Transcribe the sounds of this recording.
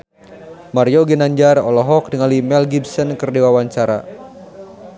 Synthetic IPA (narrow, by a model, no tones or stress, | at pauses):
marjoɡɛnaɲd͡ʒarɔ̰lɔɦɔk̚dəŋalimɛlɡibsənkərdiwawaɲt͡ʃaɾa̰